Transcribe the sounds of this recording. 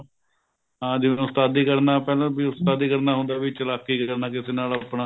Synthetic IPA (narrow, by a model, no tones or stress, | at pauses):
ɦãːd̪iːnost̪aːd̪iːkəɾnaːpɛːlãːbiːʊst̪aːd̪iːkəɾnaːɦʊ̃nd̪aːbiːt͡ʃəlaːkːiːkəɾnaːk̬ɪseːnaːlaːpnãː